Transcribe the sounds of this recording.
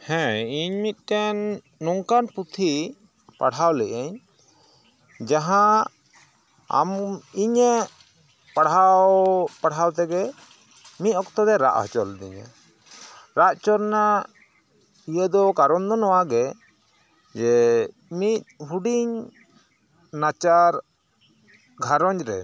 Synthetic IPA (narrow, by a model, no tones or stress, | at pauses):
hɛ̃iɲmit̪̚ˀʈɛnː | ɔŋkanput̪ʰi | pa̰ɽawlɛʔɛɲ | d͡ʒãɦã | a̰miɲɛ | paɽ̤awpaɽawt̪ɛɡɛ | mit̪̚ɔkt̪ɔd̪ɛɾa̰ʔhɔt͡ʃɔld̪ḭɲɛ̰ | ɾaʔt͡ʃɔɾna | ijəd̪ɔkaɾɔnd̪ɔnɔwaɡɛ | d͡ʒɛ | mit̪̚ɦuɖiɲ | nat͡ʃaɾ | ɡʱaɾɔɲɾɛ̰